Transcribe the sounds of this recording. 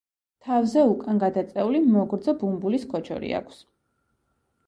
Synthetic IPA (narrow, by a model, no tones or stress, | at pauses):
t̪ʰavzɛukʼanɡad̪at̪sʼɛulimɔɡɾd̪zɔbumbuliskʰɔt͡ʃʰɔ̰ɾḭa̰kʰs